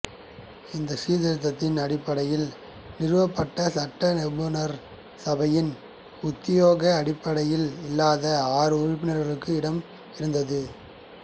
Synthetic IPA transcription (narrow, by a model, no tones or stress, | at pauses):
ɪnd̪ɐsiːðɪɾɐt̪̬ːɐt̪ːɪnɐɽɪpːɐɽɐjɪl | nɪɾɯʋɐpːɐʈːɐsɐʈːɐnɛbɯnɐɾ | sɐbɐjɪn | ʊt̪ːɪjoːɣɐːɽɪpːɐɽɐjɪlɪlːaːðɐaːɾɯʊɾɪp̬ːɪnɐɾɣɐɭɯkːɯɪɽɐm | ɪɾɯnd̪ɐðɯ